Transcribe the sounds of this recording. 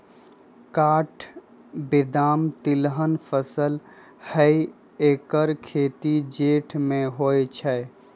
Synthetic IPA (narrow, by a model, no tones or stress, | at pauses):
kaːʈʰ | bɪd̪aːmt̪ɪlɦənpʰəsəl | həi | ekəɾkʰet̪id͡ʒeːʈʰmẽɦojt͡ʃʰɛ